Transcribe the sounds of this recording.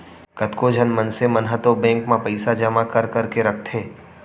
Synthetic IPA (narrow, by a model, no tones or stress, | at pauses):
kɐt̪kod͡ʒʱənmɐnsemɐnɦət̪obɛ̃ːŋkmãpɐɪsad͡ʒɐmakɐɾkɐɾkeɾɐk̚ʰt̪ʰeː